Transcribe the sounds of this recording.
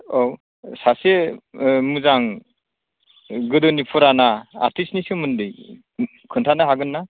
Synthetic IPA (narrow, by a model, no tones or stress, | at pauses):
ɔw | sase | muzaŋ | ɡɯdɔnipʰɔɾanaa̰ɾtʰisnisɯmɯndɯj | kʰɯntʰanaɦaɡɯnːa